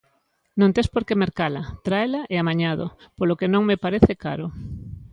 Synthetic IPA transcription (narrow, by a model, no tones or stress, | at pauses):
nõnt̪espoɾkemeɾkalat̪ɾaelaʔeamaɲaðo̰polokenõŋmepaɾeθekaɾo